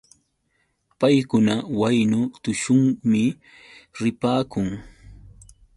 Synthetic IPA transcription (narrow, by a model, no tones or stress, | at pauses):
pajkʊnawajnʊt̪ʊʃʊŋmɪ | ɾɪpaːkʊŋ